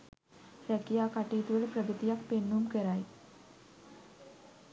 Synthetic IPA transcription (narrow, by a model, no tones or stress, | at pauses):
ɾəkijakaʈit̪ʋeɭpɾəɡət̪ijakpenːumkəɾaj